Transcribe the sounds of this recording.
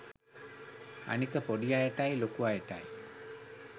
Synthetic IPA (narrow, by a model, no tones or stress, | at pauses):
a̰nikəpɔɖijajaʈajlokuajeʈa̰j